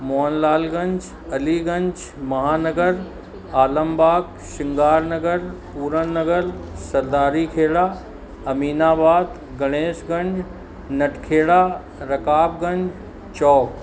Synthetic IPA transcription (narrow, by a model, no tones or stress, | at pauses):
moːnlaːlɡɐ̃ɲd͡ʒ | ɐliːɡɐ̃ɲd͡ʒmɐɦaːnɐɡəɾ | aːləmbaːk | ʃɪŋɡaːɾnɐɡəɾpuːɾənnɐɡəɾsɐɾd̪aːɾikʰeːɽaː | ɐmiːnaːbaːd̪ | ɡɐɽ̃eːsɡɐ̃ɲd͡ʒ | nɐʈʰkʰeːɽaː | ɾɐkaːb̚ɡɐ̃ɲd͡ʒ | t͡ʃɔːk